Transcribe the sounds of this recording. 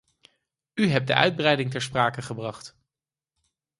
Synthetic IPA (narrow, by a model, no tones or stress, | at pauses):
yɦɛp̚də̰ʔœ̰ɥd̚brɛjdɪŋtɛɹspraːkəχəbrɑχt